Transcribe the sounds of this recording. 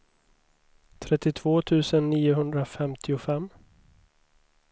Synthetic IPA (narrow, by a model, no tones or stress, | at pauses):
t̪ʰɾɛt̪ːɪt̪ʰv̥oːt̪ʰʉ̟ːsənːiːʊɦɵnd̪ɾafɛmt̪ʰɪʊfɛmː